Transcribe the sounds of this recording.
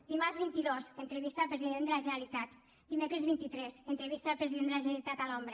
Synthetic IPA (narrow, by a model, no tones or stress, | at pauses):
d̪imarzβint̪iðosənt̪ɾəβist̪aːlˠpɾəziðend̪əlaʒənalit̪at̪ | d̪imekɾəzβint̪it̪ɾɛzənt̪ɾəβist̪aːlˠpɾəziðend̪əlaʒənəlit̪at̪alombɾə